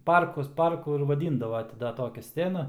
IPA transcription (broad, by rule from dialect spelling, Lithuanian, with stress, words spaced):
ˈpɐrkʊs ˈpɐrkʊ ɪr ʋɐˈdʲiːndɐʋoː ˈtʲɪ dɐ ˈtoːkʲɛ ˈsʲt͡sʲæːnɐ